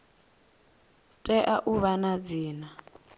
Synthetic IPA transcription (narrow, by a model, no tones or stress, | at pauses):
tʼɛʔaʔuβanad͡ziːna